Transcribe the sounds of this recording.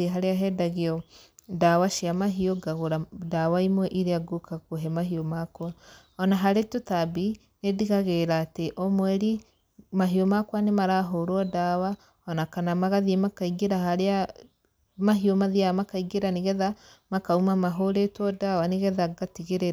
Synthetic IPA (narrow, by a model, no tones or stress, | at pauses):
eɦaɾeaɦɛdaɣeɔdawaʃiamaɦioɡaɣoɾadawaimwɛʔiɾeaɡokakoɦɛmaɦiomakwa | ɔnaɦaɾetotabi | nediɣaɣeɾaːteʔomwɛɾi | maɦiomakwanemaɾaːɦoɾoɔdawa | ɔnakanamaɣaðiemakaiɡeɾaɦaɾea | maɦiomaðiaamakaiɡeɾaneɣɛðamakaumamaɦoɾetwɔdawaneɣɛðaɡatiɣeɾe